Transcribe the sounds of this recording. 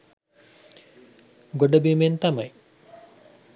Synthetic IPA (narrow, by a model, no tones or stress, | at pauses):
ɡoɖɐbiment̪ɐmɐj